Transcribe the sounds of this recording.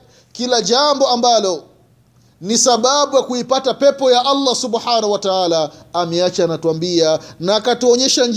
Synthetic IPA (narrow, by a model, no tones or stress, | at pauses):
kilaʄambɔambalɔ | nisaɓaɓujakuipatapɛpɔjaʔalːasuɓħanahuwataalaːmɛat͡ʃanatuambianaːkatuɔɲɛʃaɲ